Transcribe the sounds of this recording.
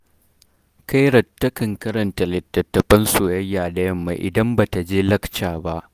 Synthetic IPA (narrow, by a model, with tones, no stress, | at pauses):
ka˦jɽɐ˨tːɐ˦kɐ˨ŋkɐ˦ɾɐ˨nta˨lɐ˨tːɐ˨tːɐ˨ɸɐ˦nsoː˨jɐ˦jːaː˨dɐ˦jɐ˦mːa̰˨˦ʔɪ̰˨dɐ˦mbaː˨ta˨d͡ʒeː˦lɐ˦kt͡ʃaː˨ba˦ʔ